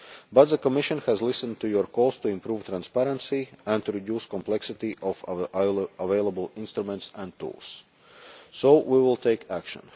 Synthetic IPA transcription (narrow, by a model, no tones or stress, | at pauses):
bat̪ðəkɔmɪʃɔ̃nxæzlɪsə̃nd̚t̪ujuɾkɔlˠst̪uɪ̃mpɾuːv̥t̪ɾãnspæɾə̃nsiæ̃nt̪uɾid̪juːskɔ̃mplɛksɪt̪iʔɔf | aveɪlˠəbəlˠɪ̃nst̪ɾumɛ̃nt̪sæ̃nt̪ṵːlˠsː | oʊwiwɪlˠt̪ʰeɪkʰækʃə̰̃n